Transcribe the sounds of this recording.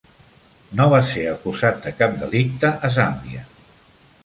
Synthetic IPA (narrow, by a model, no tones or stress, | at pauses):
noβaseəkuzat̪̚d̪əkap̚d̪əlik̚t̪əʔəzambiə